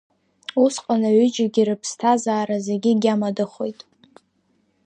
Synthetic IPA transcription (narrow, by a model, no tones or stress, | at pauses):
usqʼanaɥʏd͡ʒaɡʲiɾɨpʰstʰazaːɾazeɡʲɪɡʲamadɨχo̞jtʼ